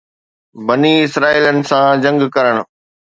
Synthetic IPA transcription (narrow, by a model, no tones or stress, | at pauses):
bɐniːɪsɾaːiːlənɪ̆sãd͡ʑɐ̃ŋɡkɐɾəɽ̃ʊ̆